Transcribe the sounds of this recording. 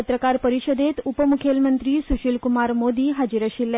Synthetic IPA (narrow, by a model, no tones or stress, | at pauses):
ət̪ɾəkaɾpəɾiɕəd̪et̪upəmukʰelmənt̪ɾiːsuɕilkumaɾmod̪iːɦad͡ʑiɾəɕilːa